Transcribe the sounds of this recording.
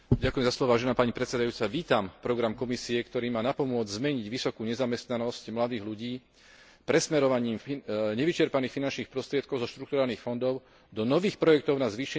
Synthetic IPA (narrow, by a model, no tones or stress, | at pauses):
ɟakujɛmzaslɔʋɔʋaːʒɛnaːpaɲipɾɛt̪sɛd̪ajuːt͡saʋiːt̪ampɾɔɡɾamkɔmisiɛkt̪ɔɾiːmaːnapɔmʊɔd͡zzmɛɲiɟʋisɔkuːɲɛzamɛst̪nanɔscmlad̪iːɣluɟiː | pɾɛsmɛɾɔʋaɲiːmɲɛʋit͡ʃɛɾpaniːxfinant͡ʃniːxpɾɔst̪ɾɪɛt̪kɔʊzɔʃt̪ɾuk̚t̪uɾaːlniːxfɔnd̪ɔʊ | d̪ɔnɔʋiːxpɾɔjɛk̚t̪ɔʊnazʋiːʃɛ